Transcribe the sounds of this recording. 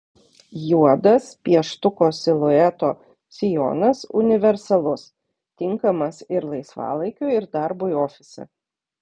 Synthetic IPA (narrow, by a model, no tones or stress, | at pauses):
juɔd̪ɐspʲiɛʃt̪ʊkoːsʲɪlˠʊɛt̪oː | sʲɪjo̰ːnɐsʊ̰nʲɪʋʲɛɾsɐlˠʊs | t̪ʲɪŋkɐmɐsɪɾlˠɐɪsʋɑ̰ːlˠɐɪkʲʊɪɾd̪ɐɾbʊioːfʲɪsʲɛ̰